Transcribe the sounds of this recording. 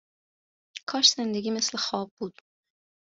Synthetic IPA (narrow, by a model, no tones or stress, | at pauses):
kʰɒːʃz̥end̪eɡʲiːmeslexɒːbːuːd̪̥